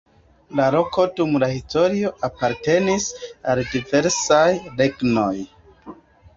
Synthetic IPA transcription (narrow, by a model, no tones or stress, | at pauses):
lalo̞ko̞dumlahisto̞ɾio̞ʔapaɾte̞nisaldive̞ɾsajɾe̞ɡno̞j